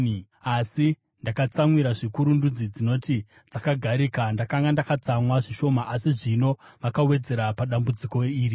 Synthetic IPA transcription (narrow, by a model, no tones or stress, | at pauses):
asi | ndakat͡samwiɾaʐikuɾundud͡zid͡zino̞ti | d͡zakaɡʱaɾiːkandakaŋɡandakat͡samwaʐiʃo̞maʔasiʐino̞ʋakawe̞d͡ze̞ɾapaɗambud͡ziko̞iːɾi